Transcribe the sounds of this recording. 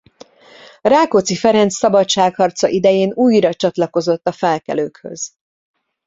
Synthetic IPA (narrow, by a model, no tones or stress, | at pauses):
raːkot̪sifɛɾɛnt̪sːɒbɒtt͡ʃaːkhɒrt̪sɒʔid̪ɛjeːnuːjrɒt͡ʃɒt̪lɒko̞zo̞t̪ːɒfɛlkɛ̰løːkhø̞̰z̥